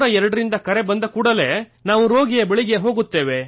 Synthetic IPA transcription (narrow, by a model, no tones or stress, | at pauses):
ɾɐɛɾɐɽɐɾind̪ɐkɐɾe̞bɐnd̪ɐkuːɽɐle̞ː | naːʋuɾo̞ːɡijɐbeɭiɡe̞ɦo̞ːɡut̪ːe̞ːʋe̞